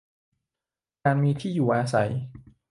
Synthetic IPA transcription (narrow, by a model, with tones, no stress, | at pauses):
kaː˧nmiː˧t̪ʰiː˥˩juː˨˩ʔaː˧sa˩˦j